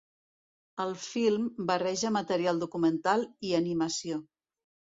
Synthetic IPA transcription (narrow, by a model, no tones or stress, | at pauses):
əlˠfilˠmbərɛʒəmət̪əɾialˠd̪ukumənt̪alˠiəniməsio